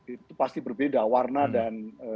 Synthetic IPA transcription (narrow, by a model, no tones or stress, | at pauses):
it̪upast̪ibərbedawarnadanə